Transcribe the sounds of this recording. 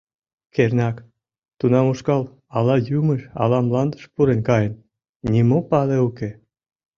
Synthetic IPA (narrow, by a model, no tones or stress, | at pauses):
kernʲɑk | t̪unɑmuʃkɑl | ɑlɑjuməʃɑ̰lɑmlɑnd̪ə̥ʃpuɾenkɑjən | nʲimopɑleuke